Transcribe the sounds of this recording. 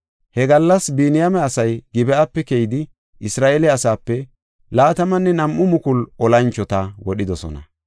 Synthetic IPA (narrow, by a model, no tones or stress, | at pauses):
hɛɡɐlːɐsbiːnɪjɐmɛɐsɐjɡɪbɛɐpːɛkejɪd̪ɪ | ɪsɾaːʔelɛɐsaːpːɛ | laːt̪ɐmɐnːɛnɐmʔːʊmʊkʊlɔlɐnt͡ʃːɔt̪ɐwɔɗɪd̪ɔsɔ̰nɐ̰